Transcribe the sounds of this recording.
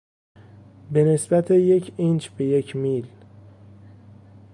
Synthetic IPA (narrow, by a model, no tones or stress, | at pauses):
be̞ne̞sbæt̪ʰejecʰint͡ʃbejecʰmil